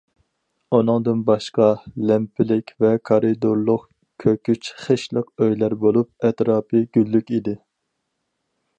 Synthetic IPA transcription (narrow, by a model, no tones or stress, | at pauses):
unɨŋd̪ɨnbɑʃqɑlɛmpʰɪlɪkʲvɛkʰɑɾɨd̪oɾlˠʊq | kʲʰøkʲyt͡ʃχəʃlˠəqøjlæɾbolˠup̚ɛt̪ɾɑːpʰɨɡ̥ʲylːykʲid̪ɪ